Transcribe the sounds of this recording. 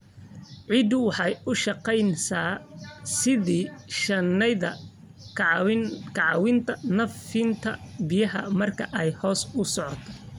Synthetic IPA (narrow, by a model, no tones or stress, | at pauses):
ʕid̪ʊwɑħɑjʊʃɑqɛjnsaːsɪðiːʃɐnɛðɐ | kʰɐʕɑwɪnt̪ʰɐnɐfɪnt̪ʰɐ̰bɪjɐɦɐ̰mɐrkʰɐʔɛjhɔːsʊsɔʕɔt̪ʰɔ